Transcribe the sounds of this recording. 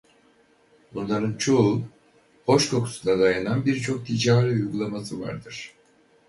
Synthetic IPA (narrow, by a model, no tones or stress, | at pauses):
bunlˠaɾɯnt͡ʃʰo | bo̞ʃkʰo̞kʰu̥sud̪ad̪ajananbiɾt͡ʃʰo̞k̚t̪ʰid͡ʒaːɾiujɡulˠamasɯva̰ɾd̪ɯɾ̥